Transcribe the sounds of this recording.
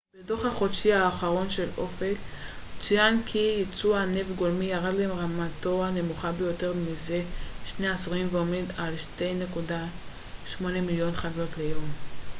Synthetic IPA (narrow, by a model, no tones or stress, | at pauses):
b̥edo̞χhaχo̞dʃiaːχaʁo̞nʃe̞lo̞fekt͡siankʰijit͡suanevɡolmijaʁadlaɦemʁamato̞ane̞muχabejo̞te̞ʁmize̞ʃneasʁimveomedalʃte̞jne̞kuda | ʃmo̞nemiljo̞nχaɡo̞tlejom